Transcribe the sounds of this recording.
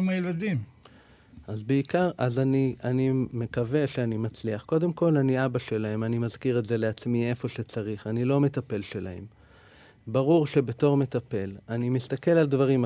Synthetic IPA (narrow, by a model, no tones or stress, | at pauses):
majelad̪im | ʔazbeikaʁʔazanianime̞kave̞ʃeanimat͡sliaχko̞de̞mko̞laniabaʃe̞lahe̞manimazkiʁetze̞le̞at͡smie̞fo̞ʃet͡saʁiχanilo̞me̞t̪ape̞lʃe̞laḛm | baʁuʁʃe̞be̞to̞ʁme̞t̪ape̞lanimist̪ake̞laldvaʁim